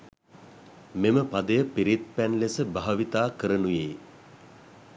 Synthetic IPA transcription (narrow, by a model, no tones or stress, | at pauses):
meməpad̪əjəpiɾit̪̚pænlesəbaɦɐʋit̪aːkəɾənujeː